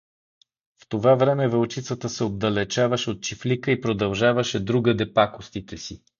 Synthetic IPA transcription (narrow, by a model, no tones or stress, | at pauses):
ft̪ovavɾɛmɛvəlˠt͡ʃit̪sət̪əsɛod̪ːɐlɛt͡ʃavəʃɛot̪̚t͡ʃiflikəipɾod̪ɐlˠʒavɐʃɛd̪ɾuɡəd̪ɛpakost̪it̪ɛsi